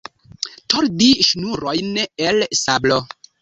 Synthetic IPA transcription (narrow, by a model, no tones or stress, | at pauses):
tʰoɾdiʃnuɾojnelsablo